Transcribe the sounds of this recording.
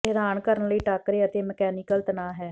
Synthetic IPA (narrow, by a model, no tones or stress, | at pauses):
ɪɾaːnkəɾənləiːʈakɾeːət̪eːməkɛːnɪːkəlt̪ənaːɦɛː